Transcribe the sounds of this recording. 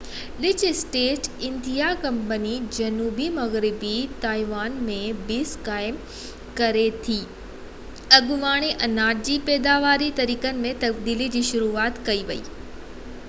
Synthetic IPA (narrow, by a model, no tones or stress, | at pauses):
lɪt͡ɕsʈeːʈɪ̃nd̪ijakɐ̃mpənid͡ʑɐnuːbimɐɣɾɪbit̪aːɪʋaːnmẽbɪskaːɪm | kɐɾet̪ʰiː | ɐɡʊmaːɽ̃eʔɐ̃naːʈd͡ʑiːpɛːd̪aːʋaːɾit̪ɐɾiːkənɪ̆mẽt̪ɐfd̪iːlid͡ʑiːʃʊɾuːaːt̪kɐiʋɐḭː